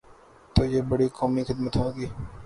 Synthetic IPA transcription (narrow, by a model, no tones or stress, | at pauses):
t̪oːjeːbɐɽikɔːmixɪd̪mət̪ɦõːɡiː